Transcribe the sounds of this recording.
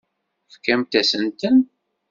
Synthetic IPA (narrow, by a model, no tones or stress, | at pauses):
fkæmt̪æsənt̪ən